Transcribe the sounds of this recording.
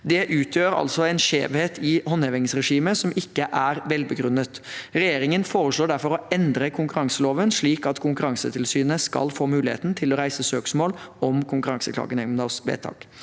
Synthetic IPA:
d̪ɛʔʉːt̪ʰjøːɾɑ̰lsɔɛnʂḛːʋheːt̪ʰɪhɔnheʋɪŋsɾɛʂiːməsɔmɪkːəʔæɾʋɛlbəɡɾʉnːət̪ɾɛjeːɾɪŋənfoːɾəʂɭoːɖæɾfɔɾɔɛnd̪ɾəkʰʊŋkʉɾɑŋsəloːʋənʂɭiːkɑt̪kʰʊŋkʉɾɑŋsət̪ʰɪlsyːnəskɑ̰lfoːmʉːlɪhḛːt̪n̩t̪ʰɪlɔɾæɪsəsøːksmoːlɔmkʰʊŋkʉɾɑŋsəkʰlɑ̰ːɡənɛmnd̪ɑsʋḛːt̪ʰɑ̰ːk

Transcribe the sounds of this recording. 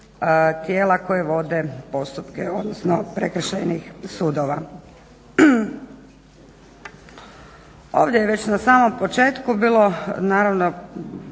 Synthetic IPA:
t̪jeːlako̞jeʋo̞d̪epo̞st̪upkeo̞d̪nosnopɾekr̩ʃejnixsuːd̪oʋa | oːʋd̪jejeʋe̞t͡ɕnasaːmo̞mpo̞t͡ʃe̞ːt̪kubiːlˠo̞naːɾaʋno̞

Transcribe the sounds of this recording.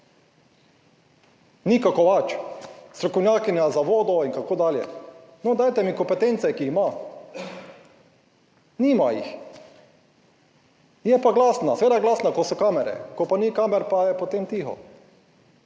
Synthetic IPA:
nikakɔʋat͡ʃst̪ɾɔkɔwnʲjaːkinjazaʋoːd̪ɔinkakoːd̪aːljɛ̰nɔd̪ajt̪ɛmikɔmpɛt̪ensɛkima | niːmajḭx | jɛpaɡlaːsnaseʋeːd̪aɡlaːsnakosɔkaːmɛɾɛ̰kɔpanikaːmɛɾpajɛpot̪eːmt̪ixɔ̰

